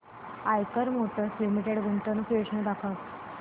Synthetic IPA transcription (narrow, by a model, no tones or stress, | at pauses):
ajkəɾmoʈəslimiʈeɽɡuɳʈənpoʂnəd̪akʰət̪